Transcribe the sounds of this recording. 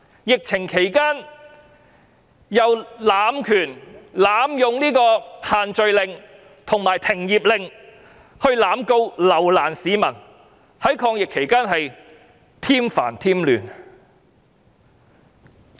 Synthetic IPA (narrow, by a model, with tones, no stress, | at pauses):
jɪ˨k̚t͡sʰɪ˨˩ŋkʰe˨˩jkaː˥n | jɐ˨wlaː˨˥mkʰyː˨˩nlaː˨˧mjʊ˨˧ŋniː˥kɔː˧haː˨nt͡ʃɵ˨˧ɥlɪ˨ŋ | t̪ʰʊ˨˩ŋmaː˨jt̪ʰɪ˨˩ŋjiː˨p̚lɪ˨ŋ | hɵ˧ɥlaː˨˥mko˧wlɐ˨˩wlaː˨˩nsiː˨˥mɐ˨˩n | hɐ˨˥jkʰɔː˧ŋjɪ˨kʰːe˨˩jkaː˥nɦɐ˨j | t̪ʰiː˥mfa̰ː˨˩nt̪ʰiː˥mlyː˨n